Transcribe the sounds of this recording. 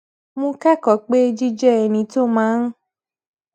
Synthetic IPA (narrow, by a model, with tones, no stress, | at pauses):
mũ˧ka˦kɔ˨k͡pe˦˧d͡ʒi˦d͡ʒɛ˦ɛ˨nĩ˨˦to˦mãː˨˦ñ̩˦